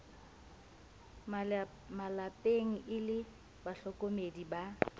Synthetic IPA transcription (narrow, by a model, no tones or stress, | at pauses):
malapʼeŋ̩ʔɪlɪ | baɬɔkʼomediba